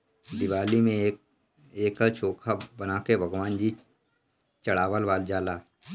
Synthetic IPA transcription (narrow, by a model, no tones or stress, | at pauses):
d̪ɪʋaːlimẽ | eːkat͡ʃʰoːkʰabənaːkebʱəɡʋaːnd͡ʒiː | t͡ʃəɽaːʋəlʋaːld͡ʒaːlaː